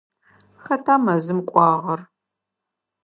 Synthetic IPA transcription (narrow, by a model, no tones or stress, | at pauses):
xɐtʰaːmɐzɨmkʷʼɑːʁɐr